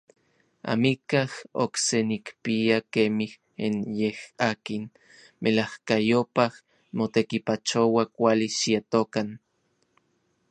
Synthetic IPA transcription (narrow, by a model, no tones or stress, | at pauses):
a̰mikaho̰ksenikpiakemih | enjehaːkin | melahkajopah | mot̪ekipat͡ʃowakʷaliʃiat̪okan